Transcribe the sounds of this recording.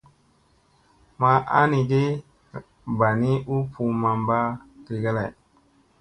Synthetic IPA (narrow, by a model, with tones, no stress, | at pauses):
ma˧ʔa˦ni˧ɡe˦ | ba˨ni˦u˦pʰu˧ma˧mba˦ki˨ɡa˦la˨